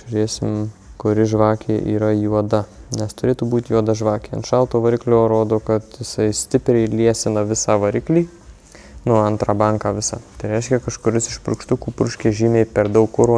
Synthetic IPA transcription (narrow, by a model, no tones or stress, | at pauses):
ʒʊɾʲeːsʲɪmkʊɾʲɪʒʋɑːkʲeːʔḭːɾɐjuɔd̪ɐnʲɛst̪ʊɾʲeːt̪uːbuːt̪ʲjuɔd̪ɐʒʋɑːkʲeːɐ̰nt̪ʃɑlˠt̪oːʋɐɾʲɪklʲoːɾoːd̪oːkɐt̪jɪsɐɪsʲt̪ʲɪpʲɾʲɛɪlʲiɛsʲɪnɐʋʲɪsɑːʋɐɾʲɪklʲiː | nʊɐnt̪ɾɑːbɑŋkɑːʋʲɪsɑ̰ːt̪ɐɪɾʲɛɪʃʲkʲɛkɐʃkʊɾʲɪsɪʃpɾʊ̰kʃt̪ʊkuːpɾʊʃʲkʲeːʒʲiːmʲeːpʲɛɾd̪ɐʊkːʊɾoː